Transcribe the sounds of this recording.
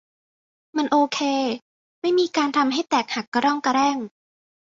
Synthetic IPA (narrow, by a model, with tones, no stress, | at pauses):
ma˧nʔoː˧kʰeː˧ | ma˥˩jmiː˧kaː˧nt̪ʰa˧mɦa˥˩jt̪ɛː˨˩k̚ha˨˩kːa˧ɾɔ˥˩ŋka˧ɾɛː˥˩ŋ